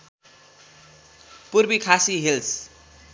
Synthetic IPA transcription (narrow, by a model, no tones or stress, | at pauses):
purbikʰasiɦils